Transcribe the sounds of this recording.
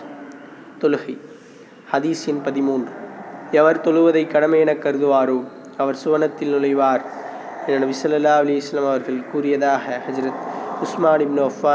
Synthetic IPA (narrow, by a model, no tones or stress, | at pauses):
t̪ɔlɯɣɐ | hɐðiːsɪnpɐðɪmuːndrɯɛʋɐɾt̪ɔɭɯʋɐðɐɪkːɐɽɐmɐjɛnɐkːɐɾɯðɯʋaːɾoː | ɐʋɐɾsʊʋɐnɐt̪ːɪlnʊlɐɪʋaːɾ | ɛnːɐnɐbɪsɐlːɐlːaːɐlɐjɪsɐlːɐmɐʋɐɾɣɐɭkuːrɪjɐðaːɣɐhɐd͡ʒɾɐt̪ʊsmaːnɪbnɯʋɐfːaː